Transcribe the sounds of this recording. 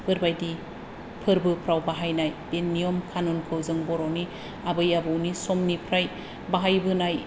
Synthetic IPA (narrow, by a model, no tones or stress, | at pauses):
b̥ʰɯɾbajdi | pʰɯɾbɯpʰɾawbaɦajnajb̥enːijomkʰanonkʰɯwzɯŋbɔɾowni | abɯjabɯwnisɔmnipʰɾaj | baɦajbɯnaj